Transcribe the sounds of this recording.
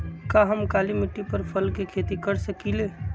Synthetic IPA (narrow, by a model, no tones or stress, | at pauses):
kaɦəmkaːlimɪʈːipəɾpʰəlkekʰeːt̪ikəɾsəkileː